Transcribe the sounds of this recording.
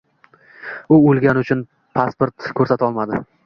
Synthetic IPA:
ʊolˠɡʲanɪʊt͡ʃʰʊn | pʰaspoɾt̪kʰɵɾsat̪aɒlˠmad̪ɪ

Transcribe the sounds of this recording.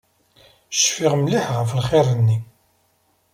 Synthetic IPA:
ʃfiʁmliħʁəfəlχɪɾˤənːi

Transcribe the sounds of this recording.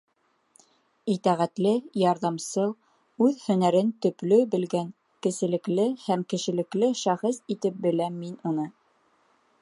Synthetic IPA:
it̪æʁæt̪lɘjɑɾðɑmsɤlˠ | ʉðhɵ̆næɾɘnt̪ɵ̆plɵbɘ̆lɡæŋ | kɘ̆sɘ̆lɘ̆klɘhæmkɘ̆ʃɘ̆lɘ̆klɘʃæχɤsit̪ɘp̚bɘ̆læmːinunɤ

